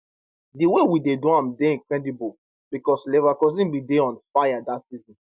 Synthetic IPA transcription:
diwewidedõãmdeĩkɹɛ̃ndibu | b̥ikɔslevakɔzĩnbideɔ̃nfajadatsizĩn

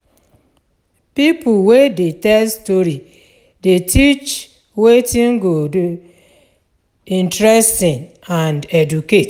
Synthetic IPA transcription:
pipʰuwedetɛlstoɾi | detʰit͡ʃ | wetĩŋ̩ɡodu | ĩntɾɛstĩn | ãndɛduket

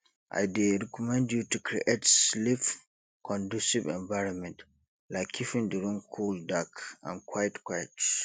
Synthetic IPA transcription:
ʔa̰jdɛɹɛkʰɔmɛ̃ndjutukʰɾḭʔetslif | kʰɔ̃ndusivɛ̰̃ɱvaɪɹɔ̃nmɛ̃nt | laɪkʰːifĩnduɾũnkʰuldakã̰nkʰwajtkwajt

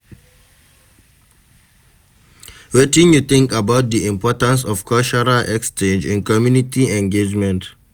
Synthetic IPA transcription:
wetĩnjut̪ɪ̃ŋkabaʊt̚d̪iĩmpɔtãns̬ɔv̥kʰɔlt͡ʃɔɹaʔɛkst͡ʃẽnd͡ʒḭ̃nkɔmjunitʰiɛ̃ŋɡed͡ʒmɛ̃nt

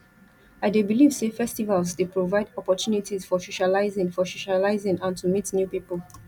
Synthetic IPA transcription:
aɪdebiliv̥sefɛstivalzdepɹovaɪdɔpɔtjunitizfɔsoʃalaɪzɪ̃ŋfɔsoʃalaɪzɪ̃ŋãntumitnjupipəl

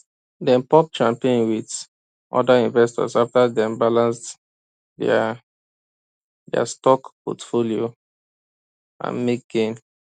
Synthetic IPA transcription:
dɛ̃npɔk̚t͡ʃãmpẽnwid | ʔɔ̰daĩɱvɛstɔ̰saftadɛ̃mbalãns | dɛa̰stɔkpɔ̰tfolio | ʔã̰nmek̚ɡ̥ẽn

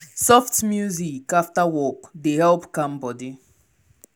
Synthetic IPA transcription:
sɔftmjuzikaftawɔkdehɛlpkãmbɔdi

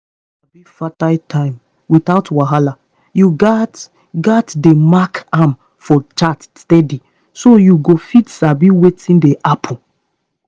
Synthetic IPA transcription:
s | abifataɪtʰãɪ̃m | witaʊtwaɦala | juɡt | ɡatdemakam | fɔt͡ʃatstɛdi | sojuɡofidsabiwetʰĩndeʔapʰũ

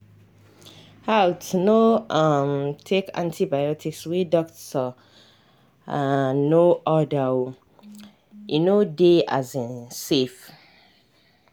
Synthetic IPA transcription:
hawtnomtʰekʰã̰ntʰibajɔtikswidɔk̚tɔ | anoʔɔdawo | jinodea̰zĩnsef

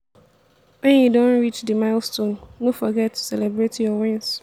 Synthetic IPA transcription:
wɛ̃njudõnɹit͡ʃdəmaɪlstõnːofɔɡɛtʰːu̥sɛlɛbɹetjɔwɛ̃ns

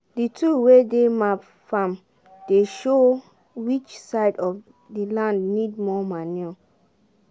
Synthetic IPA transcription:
ditʰuwedemap | fãm | d̥eʃo | wit͡ʃsaɪdɔf | dilãndnid̚mɔmani

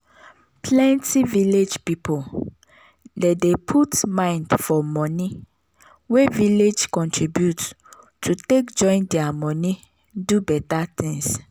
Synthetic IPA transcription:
plɛ̃ntiviled͡ʒpipo | dedepʰutmãɪ̃ndfɔmɔ̃ni | weviled͡ʒkɔ̃ntɹibjut | tʰutekd͡ʒɔ̃ɪ̃ndɛamɔni | dubɛtat̪ʰĩŋs

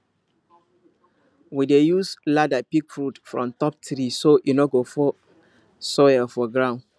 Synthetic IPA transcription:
widejusladapikfɹutfɹɔ̃mtɔp̚tɾisoʔunɔɡofɔ | sɔjəfɔɡɹãʊ̃n

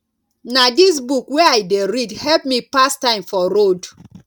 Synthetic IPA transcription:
nadis̬bukwɛaɪdeɹidhɛlp̚mipastãɪ̃mfɔɾod

